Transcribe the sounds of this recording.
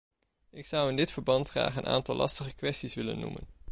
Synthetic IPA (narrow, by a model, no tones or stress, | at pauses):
ɪksʌwɪndɪtfəɹbɑntχra̰ːχənʔa̰ːntɑlʔɑ̰stəχəkʋɛstisʋɪlə̰nːṵmə̰n